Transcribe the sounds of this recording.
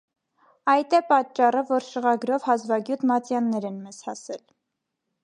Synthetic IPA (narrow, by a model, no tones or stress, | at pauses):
ɑjt̪ɛpɑt͡ʃːɑrəvɔɾʃəʁɑɡɾɔvhɑzvɑɡjut̪mɑt͡sjɑnːɛɾɛnmɛz̥hɑsɛl